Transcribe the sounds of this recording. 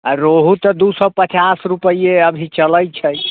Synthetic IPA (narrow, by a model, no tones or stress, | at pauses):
aɾoɦut̪ɔd̪usɔpət͡ʃasɾupəieəbʱit͡ʃələjt͡ʃʰəj